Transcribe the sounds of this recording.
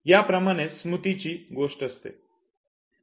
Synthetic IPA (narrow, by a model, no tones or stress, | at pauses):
japɾəmaɽ̃esmut̪it͡ɕiːɡoʂʈəst̪ḛ